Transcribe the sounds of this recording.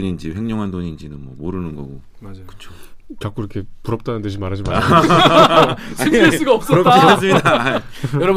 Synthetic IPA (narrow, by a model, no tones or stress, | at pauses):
ɲind͡ʑiɸe̞ŋɲoŋɦandoɲind͡ʑinɯnmwʌ̰moɾɯnɯnɡʌɡo | mad͡ʑkɯ̥t͡ɕʰo̥kak͈uiɾʌkʰepuɾʌp̚t͈anɯndɯɕʰimaɾɦad͡ʑima | sues͈ɯɡaʌp̚s͈ʌtias͈ɯmɲidaajʌɾʌb